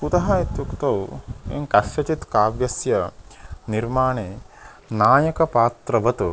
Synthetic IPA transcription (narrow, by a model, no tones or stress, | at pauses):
put̪ɐɦɐet̪jukt̪ɐwḛŋkɐʃjɐt͡ʃit̪kaːʋjɐsjɐniɾmaːɳeː | naːjɐkɐpaːt̪ɾɐʋɐt̪